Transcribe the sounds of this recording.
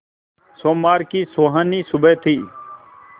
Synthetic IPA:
soːmaːɾkiːsoːɦəniːsʊbʱeːt̪ʰiː

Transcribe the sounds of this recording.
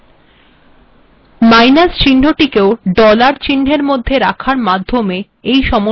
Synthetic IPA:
majnast͡ɕiɳɖ̤ʱoʈikeoɖɔlaɾt͡ɕiɳɖ̤ʱeɾmod̪ʱːeɾakʰaɾmad̪ʱːome | ejʃɔmo

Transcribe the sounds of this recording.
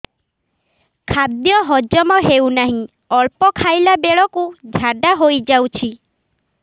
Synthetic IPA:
kʰad̪jɔɦɔd͡ʒɔmɔɦewnaɦĩ | ɔɭpɔkʰajlabeɭɔkud͡ʒʱaɖaɦojd͡ʒawt͡ʃʰi

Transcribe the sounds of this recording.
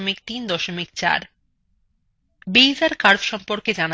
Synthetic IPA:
mikt̪ind̪ɔʃomikt͡ɕa̰ɾ | bejzaɾkaɾbʃɔmpoɾked͡ʑana

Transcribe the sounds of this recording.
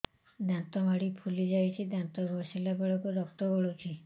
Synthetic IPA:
d̪ãnt̪ɔmaɽipʰulid͡ʒajt͡ʃʰid̪ãnt̪ɔbʱɔsilabeɭɔkud̪ɔk̚t̪ɔbɔɭut͡ʃʰi

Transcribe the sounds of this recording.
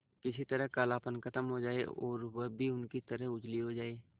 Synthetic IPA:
kɪsit̪əɾəɦkaːlaːpənkʰɐt̪əmɦod͡ʒaːeɔ̰ːɾwɐbʱiʊnkit̪əɾəɦʊd͡ʒliɦod͡ʒaːeː

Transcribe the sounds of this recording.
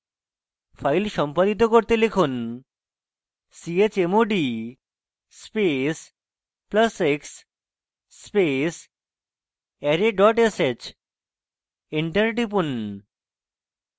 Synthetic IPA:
fʰajlʃɔmpad̪it̪̬okoɾt̪elekʰun | siet͡ɕemoɖi | spes | pləseksː | pes | ɛɾeɖɔʈeset͡ɕ | iɳʈəɾɖip̬un

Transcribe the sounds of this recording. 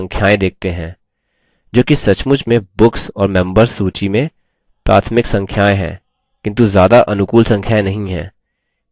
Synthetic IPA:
ŋkʰjaːẽd̪eːk̚t̪eɦɛ̰̃ː | d͡ʒoːkisɐt͡ʃmʊd͡ʒmẽbʊksɔːɾmɛ̃mbəɾsːuːt͡ʃimẽ | pɾa̰ːt̪ʰmɪksɐ̃ŋkʰjaːeɦɛ̰̃ː | kɪ̃nt̪uzjaːd̪aʔɐnʊkuːlsɐ̃ŋkʰjaːenɐɦĩɦɛ̰̃ː

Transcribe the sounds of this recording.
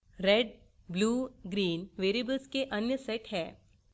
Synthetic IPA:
ɾeɖ | bluːɡɾiːnʋeɾibəlskeʔənjəseʈhɦɛː

